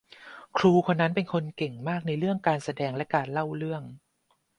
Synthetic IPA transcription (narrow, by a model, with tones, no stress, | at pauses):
kʰɾuː˧kʰo˧nːa˦˥npe˧nkʰo˧nke˨˩ŋmaː˥˩k̚na˧jɾɯ˥˩əŋkaː˧nsa˧dɛː˧ŋlɛ˦˥kaː˧nla˥˩wɾɯ˥˩əŋ